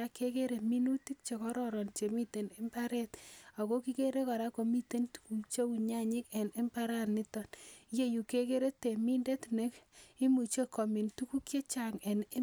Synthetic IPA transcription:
a˦ke˦ke˦ɾe˨mi˦nu˦ti˦k̚t͡ʃe˨kɔ˦ɾɔɾɔ˨nt͡ʃe˨mi˦te˨ne˦mpa˦ɾe˦ta˨ko˦ki˦ke˦ɾe˦ka˨ɾa˦ko˨mi˦te˦ntu̥ku˨t͡ʃe˦u˨ɲa˦ɲi˦ke˨ne˦mpa˦ɾa˦nːɪ˦tɔ˦nje˦ju˨ke˦ke˦ɾe˦te˨mi˦nde˦tne˦ki˦mu˨t͡ʃe˦kɔ˨mi˨ntu˦ku˦kje˦t͡ʃaŋɛ˨ni˦

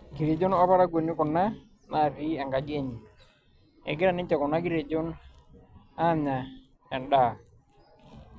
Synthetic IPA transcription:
ɡi˨ɾe˨d͡ʒo˦na˦pa˦ɾa˦ɡo˨nːu˦kʊ˨nːa˦ | na˨pi˦a˨ŋɡa˨ɡe˦ɲ | ɛ̰˨ɡɪ˦ɾa˨ni˦ɲt͡ʃa˨kʊ˨nːa˦ɡi˦ɾe˨d͡ʒo˦n | a˦ma˨ | a˨nɗa˨

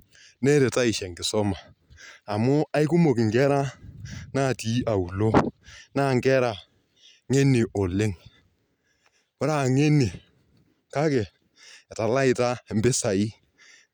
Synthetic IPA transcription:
ne˦ɾe˨ta˦ɪ˨ʃɛ˨ŋɡɪ˨sɔ˦maː˨ | mʊ˦a˦ɪ˦kʊ˦mo˨kɪ˨ŋɡɛ˦ɾa˦na˦˨ti˦a˨u˨lo˦na˦˨ŋɡɛ˦ɾa˨ | ŋe˦nɪ˨ʔɔ˨lɪ˦ŋ | wʊ˦ɾa˦˨ŋe˦ni˨ | ka˦kɛ˨ | ta˨la˦ɪ˨ta˦˨m˦bɪ˦sa˨ɪ˦

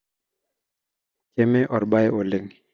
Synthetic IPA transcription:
ke˦me˦ʔɔ˨ɾɓa˦jo˨lɪ˦ŋ˨

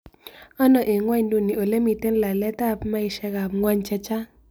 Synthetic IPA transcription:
ɔ˦nɔ˨ʔe˨ŋwa˦ɲdu˨ni˨o˨le˦mi˨te˦n˦la˨lɛ˦ta˦pma˦ɪ˨ʃɛ˧ka˨pŋwa˦ɲt͡ʃɛ˦t͡ʃa˦

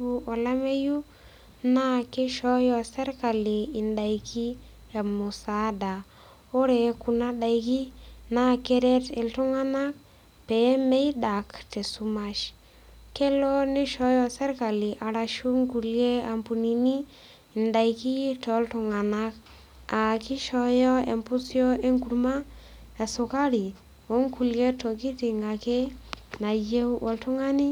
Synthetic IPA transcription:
u˦ɔ˨la˦me˦ju˦ | na˦kɪ˦ʃɔ˦jɔ˨se˦ɾka˨lɪ˨ɪ˨nda˨jki˦ | a˨mʊ˨sa˨˦da˨ | o˦ɾɛ˨ku˨na˦ɗa˨jki˦na˦ke˦ɾɛ˦tɪ˨ltʊ˦ŋa˦na˦k̚ | pɛ˨˦mɛ˦i˦da˨ktɛ˨su˦ma˦ʃ | kɛ˦lɔ˦nɪ˦ʃɔ˦jɔ˦sa˦rka˨lɪ˨ʔa˨ɾa˨ʃu˦ŋku˨lje˦a˨mpu˨ni˨ni˦˨ | nda˨jki˦tɔ˨˦ltʊ˨ŋa˨na˦k | a˨kɪ˦ʃɔ˨˦jɔ˦ḛ˨mpʊ˦sjɔ˦e˦ŋku˨ɾma˦ɛ˨sʊ˨ka˦ɾi˨ | o˨˦ŋku˨lje˦to˨ki˦ti˨ŋa˨ke˦na˨je˦wwɔ˨ltʊ˦ŋa˦ni˦

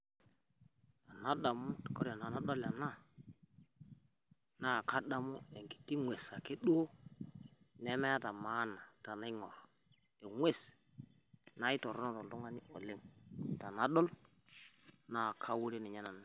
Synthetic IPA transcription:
ta˨na˦ɗa˨mu˦tko˦ɾa˨na˨na˦ɗo˦lja˨na˦ | na˦˨ka˦ɗa˦mu˦e˨ŋki̥˨kːi˦ŋwe˨sa˨ke˦ɗo˦ | ne˦me˦ja˦ta˨ma˦na˨ta˨na˦i˦ŋo˨ɾ | e˨ŋwʷe˦˨s | na˦i˦to˨ɾo˦na˦˨to˨n˨o˦ŋa˦ni˦ʔo˨le˦ŋta˨na˦ɗo˦l | na˦˨kʰa˦wu˦ɾe˦ni˨ɲa˦na˨na˦

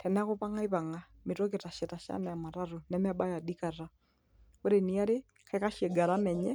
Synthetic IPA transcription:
tʰɛ˨nɛ˦a˦ko˦pa˦ŋa˦i˦βa˨ŋa | mi˨tɔ˦ke˨ta˨ʃɛ˨ta˨ʃa̰˦nɛja˨ma˨ɾa˦ɾu˨nɛmɛ˦ba˦ja˨di˦ka˨ɾa˦ | o˦ɾenia˦ɾɪ˦ | ka˦ika˦ʃɛ˨ɡa˨ɾa˦mɛ˨ɲɛ˦

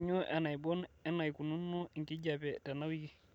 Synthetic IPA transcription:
ɲo˦ʔa̰˨na˨jbɔ˦nɛ˦na˨jku˨nu˦nːo˦i˨ŋki˦d͡ʒa˨pɛ˨ta˨na˦wi˦ki˦

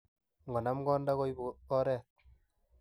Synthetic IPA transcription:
ŋɡɔ˨na˦mɡɔ˦nda˦ɣɔ˦jbuɔ˦ɾɛː˦˨t̪̚

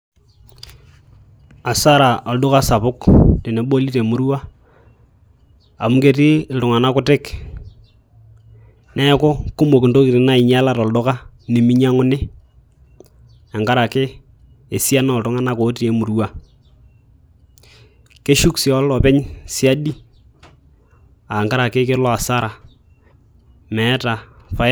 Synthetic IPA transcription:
a˨sa˦ɾa˨ʔɔ˨ldʊ˦ka˦sa˨pʊ˦kte˨ne˨ɓo˦li˦te˨mʊ˦ɾwa˦ | a˨mʊ˦ke˦tɪ˦˨ltʊ˨ŋa˨na˦kʊ˦tɪ˦k | nɛ˦kɔ˦kʊ˦mo˨kɪ˨ndo˦ki˨tɪ˨na˦ɪ˨ɲa˦la˦tɔ˨ldʊ˦ka˦ | ni˨mi˦ɲa˦ŋʊ˦nɪ˦ | a˨ŋka˦ɾa˨kɪ˦ | e˨si˦a˦nɔ˦˨ltʊ˦ŋa˦na˦ko˨˦ti˨e˦mʊ˨ɾwa˨ | ke˦ʃu˦ksi˨ɔ˦lːɔ˨pɛ˦ɲsɪ˦a˦di˦ | a˨ŋka˦ɾa˨kɪ˦kɪ˦lɔ˦a˨sa˦ɾa˨ | mɛ˨˦ta˨fa˨

